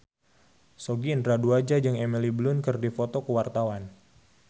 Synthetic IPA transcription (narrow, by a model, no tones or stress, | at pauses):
soɡint̪ɾaduad͡ʒad͡ʒɨŋemiliblʊnkərdifot̪okəwart̪awan